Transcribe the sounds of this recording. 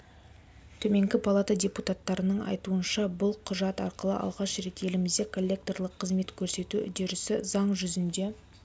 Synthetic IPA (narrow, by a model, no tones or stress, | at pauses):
t̪ʰɵme̞ŋɡʲɪpʰalˠat̪adʲe̞put̪at̪ːɑɾənəɴɑ̰jt̪uənʃɑbʊlˠqʰʊʒɑt̪ɑɾqəlˠə̰ʔɑ̰lˠʁɑʃɾe̞t̪e̞lɪmɪzd̪e̞kʰolʲːe̞k̚t̪o̞rlˠəqʰːəzme̞t̪kʲʰɵɾse̞t̪ud̪eɾɪsɪzɑɴʒʏzɪnd̪e̞